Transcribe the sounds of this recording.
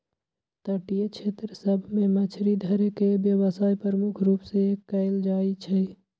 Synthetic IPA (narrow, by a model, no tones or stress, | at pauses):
t̪əʈijet͡ʃʰet̪ɾəsəbʱmemət͡ʃʰɾid̪ʱəɾekebjəβəsajpɾɾəmukʰɾupsekəɪld͡ʒait͡ʃʰɛ